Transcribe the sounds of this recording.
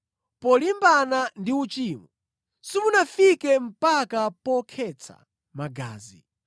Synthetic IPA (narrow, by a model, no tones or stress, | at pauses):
pɔlimbanandiut͡ʃiːmu | simunafikɛm̩pakapɔkʰɛt͡sʰa̰ | maɡa̰ːzi